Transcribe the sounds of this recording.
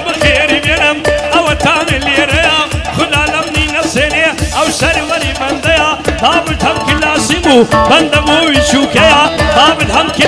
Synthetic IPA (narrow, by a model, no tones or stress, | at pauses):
bɐxeːɾiʋɐnɐmɐʋɐt̪aːnelieɾɐjaːmxʊlaːlɐmniːnɐfseːneɐwʃɐɾʋɐɾiːbɐnd̪ɐjaːmaːmɪd̪ʰʱɐmkɪlaːsimuːbɐnd̪ɐmoːiʃuːkɐjaːmãːmɪd̪ʱɐmkɪ